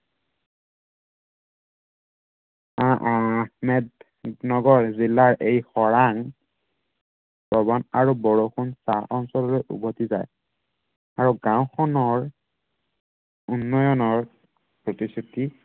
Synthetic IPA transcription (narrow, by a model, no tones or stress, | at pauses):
aʔhmɛd | nɔɡɔɹzilːaɹʔejxɔɹaŋ | pɹɔbɔnaɹubɔɹoxunsaʔɔnsɔlɔlojʔṵbʱɔtiza̰j | aɹuɡãwkʰɔnɔɹ | unːɔjɔnɔɹ | pɹɔtistʰuti